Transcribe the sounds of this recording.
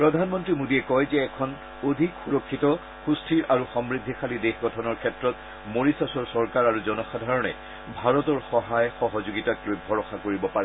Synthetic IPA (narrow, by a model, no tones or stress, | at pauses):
pɹɔdʱanmɔntɹimodiɛkɔjzɛːkʰɔn | odʱikxuɹɔkʰːitɔ | xustʰiɹʔaɹuxɔmɹid̪ʱːixalidexɡʱɔtʰɔnɔɹkʰɛtɹɔt | moɹisasɔɹsɔɹkaɹaɹuzɔnɔxadʱaɹɔnɛ̰ | bʱaɹɔtɔɹxɔɦajxɔɦɔzuɡitaklojbʱɔɹɔxakoɹibɔpaɹɛ